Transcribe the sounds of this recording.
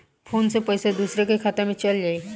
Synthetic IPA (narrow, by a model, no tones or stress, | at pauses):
font͡sepəjsed̪usɾekekʰat̪amet͡ɕəlja